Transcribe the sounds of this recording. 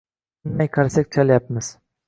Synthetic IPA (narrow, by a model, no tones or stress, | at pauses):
nmajqʰɑɾsakʲt͡ʃʰaljap̚mɪz̥